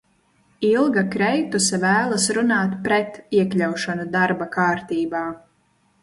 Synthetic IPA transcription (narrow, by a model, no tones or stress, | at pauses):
ilˠɡakɾɛjt̪usavæːlˠasɾunaːt̪pɾɛt̪iɛkʎʲawʃanud̪aɾbakaːɾt̪iːbaː